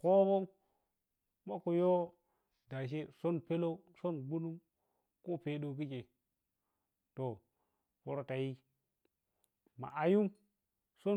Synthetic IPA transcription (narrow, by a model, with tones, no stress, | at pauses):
ko˦bo˦ŋ | ma˦ku˨jo˦ | da˨ʃ̬e˦so˦npe˦lo˦so˦nɡu˦nu˦m | ko˦pe˨ɗo˨k̬i˦t͡ʃe˨ | to˨ | po˨ɾo˨ta˨ji˦ | ma̰˨ʔa˨ju˦ŋ | so˦